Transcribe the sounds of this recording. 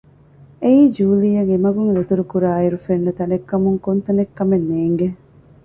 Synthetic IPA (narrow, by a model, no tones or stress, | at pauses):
eiːd͡ʒuːlijɐŋemɐɡuŋlet̪uɾukuɾaːiɾufenːet̪ɐnekːɐmuŋkont̪ɐnekːɐmenːeːŋɡe